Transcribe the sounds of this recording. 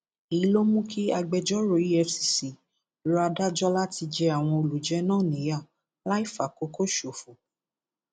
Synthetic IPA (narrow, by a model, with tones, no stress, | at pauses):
i˨˦lo˦mũ˦kʰi˦a˧ɡ͡bɛ˧˨d͡ʒɔ˦ɾo˨ji˦ɛ˧fsi˨si˨ | ɾa˧da˦d͡ʒɔ˦la˦ti˧d͡ʒɛ˧a˨w̃ɔ̃˧o˧lu˨d͡ʒɛ˨˦nãː˦˨nĩ˨˦ja˦˨ | la˦i˦˨fa˨ko˨˦ko˦ʃo˨fu˨